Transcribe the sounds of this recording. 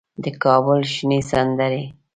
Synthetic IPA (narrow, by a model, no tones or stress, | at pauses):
d̪əkɑbʊlʃnisand̪əɾe